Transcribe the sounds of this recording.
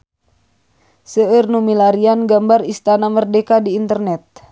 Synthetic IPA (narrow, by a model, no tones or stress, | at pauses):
səərnumilaɾianɡambarist̪anamərdekadiːnt̪ərnɛt̪̚